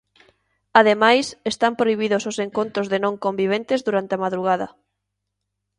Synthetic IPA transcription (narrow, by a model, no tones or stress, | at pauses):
aðemajsest̪ampɾoiβ̞iðʊsoseŋkont̪ɾozðenõŋkombiβ̞ent̪ezðuɾant̪eamaðɾuɣaðɐ